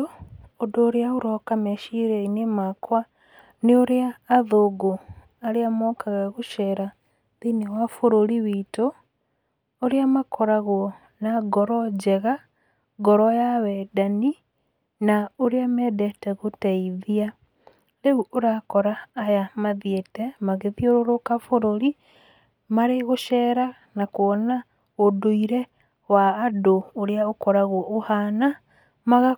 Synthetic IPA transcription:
oodoːɾeaoɾɔkamɛʃiɾeinemakwa | neoɾeaːðoɡo | aɾeamɔːkaɣaɣoʃɛɾa | ðinewafoɾoɾiβito | oɾeamakʰɔɾaɣɔ | naɡɔɾɔd͡ʒɛɣa | ɡɔɾɔjaβɛdani | naoɾeamɛdɛtɛɣotɛiðia | ɾeuʔoɾakɔɾaːjamaðietɛmaɣeðioɾoɾokafoɾoɾi | maɾeɣoʃɛːɾa | nakoɔna | odoiɾɛ | waːdoːɾeaokɔɾaɣoɔʔohana | maɣa

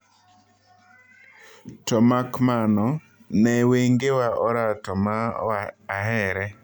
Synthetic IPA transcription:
tɔmakmanɔ | nɛweŋɡewaʔɔɾatɔmaː | ɦɛɾɛ

